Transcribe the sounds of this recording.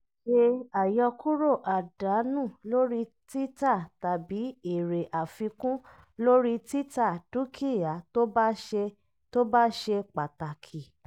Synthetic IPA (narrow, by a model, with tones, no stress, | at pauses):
ʃe˧a˨jɔ˧ku˦ɾo˦˨ʔa˨da˨˦nũ˦˨lo˦ɾi˦ | ti˦ta˦˨ta˨bi˨˦i˨ɾe˨ʔa˨fĩ˧kũ˦ | lo˦ɾi˦ti˦ta˦˨du˦kʰi˦˨ja˨˦be˧ | to˦ba˦ʃe˧k͡pa˨ta˨kʰi˨